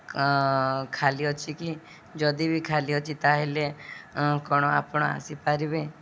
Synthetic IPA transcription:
kʰaliot͡ʃʰiki | d͡ʒɔd̪ibikʰaliot͡ʃʰit̪aɦele | kɔɽ̃ɔa̰pɔɽ̃ɔa̰sipaɾibe

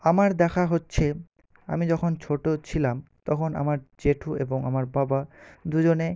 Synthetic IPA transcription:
amaɾd̪ɛkʰaɦotːɕʰe | a̰mid͡ʑɔkʰont͡ɕʰoʈot͡ɕʰilamt̪ɔkʰona̰maɾd͡ʑeʈʰueboŋamaɾbabad̪ud͡ʑone

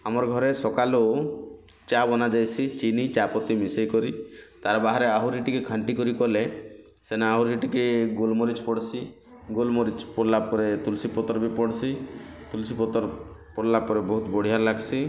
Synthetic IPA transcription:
amɔɾɡʱɔɾesɔkalo | t͡ʃabɔnad͡ʒajsʰit͡ʃinit͡ʃapɔt̪imisejkɔɾit̪aɾbaɦaɾeaɦuɾiʈikekʰaɳʈikɔɾikɔle | senaaɦuɾiʈikeɡolmɔɾit͡ʃpɔɽsi | ɡolmɔɾit͡ʃpɔlapɔɾet̪ulsipɔt̪ɔɾbipɔɽsit̪ulsipɔt̪ɔɾpɔɽlapɔɾebɔɦut̪ɔbɔɽ̤iaɾlaɡsi

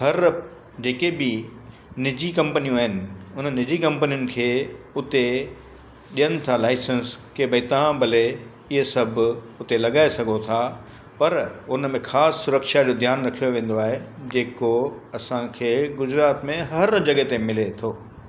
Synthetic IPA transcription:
ɦɐɾ | d͡ʑeːkebɪ | nɪd͡ʑikɐ̃mpənijũaːɦɪnɪ̆ʊnənɪd͡ʑikɐ̃mpənijʊnɪ̆kʰeːʊt̪e | ɗijənɪ̆t̪ʰalaːɪsənskebɐit̪ɐʋ̤ãbʱɐle | ɪɦesɐbʱ | ʊt̪elɐɡaːesɐɡʱot̪ʰa | pɐɾʊnəmẽxaːsːʊɾəkʃad͡ʑoːd̪ʱjaːnɾɐkʰijoʋẽːn̆d̪oaːɦed͡ʑeːkoɐsãkʰeːɡʊd͡ʑɾaːt̪mẽɦɐɾd͡ʑɐɠət̪emɪlet̪ʰoː

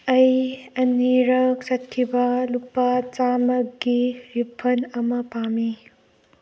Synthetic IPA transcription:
ɐjɐniɾɐk̚sɐt̚kʰibɐlupːat͡ʃamɐkɡiɾipʰɐnɐmɐpami

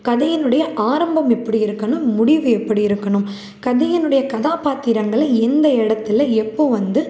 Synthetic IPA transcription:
kɐðɐjɪnɯɽɐjɐʔaːɾɐmbɐmɛpːɐɽiɪɾɯkːɐɳɯmːʊɽɪʋɯɛpːɐɽiɪɾɯkːɐɳɯm | kɐðɐjɪnɯɽɐjɐkɐðaːpaːt̪ːɪɾɐŋɡɐɭɐɛnd̪ɐɛɽɐt̪ːɪlɐɛpːoːʋɐnd̪ɯ

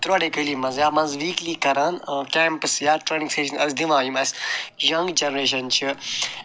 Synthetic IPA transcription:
t̪ɾaːɽeːkəliːmɐ̃nzjaːmɐ̃nzʋiːkliːkɐɾaːnkɛːmpəsjaːʈɾeːnĩŋseːʃɐnɐsd̪iʋãːjumɐsjɐ̃ŋɡd͡ʒɐnɾeːʃ̬ɐnt͡ʃʰi

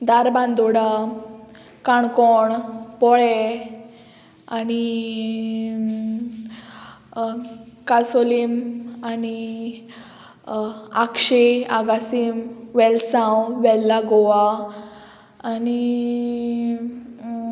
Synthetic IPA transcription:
d̪aɾbãnd̪ɔɽa | kaɳkɔɳpɔɭɛ | ani | kasolimani | akʂeaɡasimʋɛlsãwʋɛlːaɡɔʋa | ni

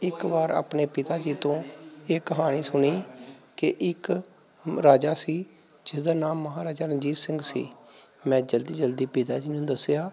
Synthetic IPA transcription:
ɪkbaːɾa̰ːpneːpɪt̪aːd͡ʒiːt̪õːeːkəɦaːɽ̃iːsʊɳiːkɪʔɪk | ɾaːd͡ʒaːsiː | d͡ʒɪsd̪aːnaːmːəɦaːɾaːd͡ʒaːɾəd͡ʒiːt̪sɪŋɡsḭːmɛ̃ːd͡ʒəld̪iːd͡ʒəld̪iːpɪt̪a̰ːd͡ʒiːnũːd̪əsjaː

